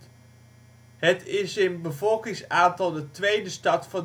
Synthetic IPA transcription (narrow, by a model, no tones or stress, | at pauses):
ɦətɪsɪnbəvɔlˠkɪŋsaːntɑlˠdətʋejdəstɑtfɑn